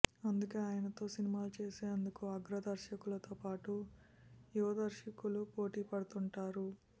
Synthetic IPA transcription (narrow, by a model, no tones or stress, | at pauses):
ɐnd̪uke̞ːaːjɐnɐt̪o̞ːsinimaːlut͡ʃe̞ːseːɐnd̪ukuɐɡɾɐd̪ɐɾʃɐkulɐt̪o̞ːpaːʈu | juʋɐd̪ɐɾʃɐkulupo̞ːʈiːpɐɽut̪uɳʈaːɾu